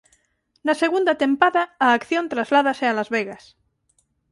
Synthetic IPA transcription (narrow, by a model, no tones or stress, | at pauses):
naseɣ̞und̪at̪ẽmpaðaːkθjõnt̪ɾazlað̞asealazβeɣas